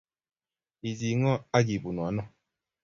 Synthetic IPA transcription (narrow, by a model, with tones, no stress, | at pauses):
i˨zi˨ŋɔ˦a˦ɡi˨bu˨nu˨a˨˦nɔ˦˨